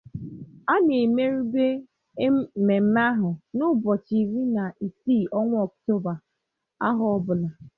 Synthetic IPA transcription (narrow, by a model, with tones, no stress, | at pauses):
a˦ne˨me˦ɾu˦be˦ | me˨m̩˦ma˦ɦʊ˨nʊ˦bɔ˨t͡ʃi˨ɾi˦na˨ʔi˨si˦˨ɔ˦ŋʷʊ˦ɔ˨kto˦ba˨ | a˦ɦʊ˨˦ɔ˦bʊ˨la˨